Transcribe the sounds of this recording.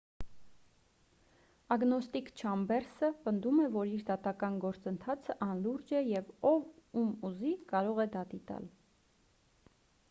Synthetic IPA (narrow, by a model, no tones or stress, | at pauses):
ɑɡnɔst̪ikt͡ʃʰɑmbɛɾsəpənd̪umɛvɔɾiɾd̪ɑt̪ɑkɑnɡɔɾt͡sənt̪ʰɑt͡sʰəʔɑnluɾd͡ʒɛjɛvɔvumuzikɑɾɔʁɛd̪ɑt̪it̪ɑ̰l